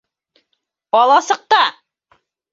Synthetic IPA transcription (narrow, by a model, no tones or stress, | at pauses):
ɒlˠɑsɤ̆q̚t̪ɑ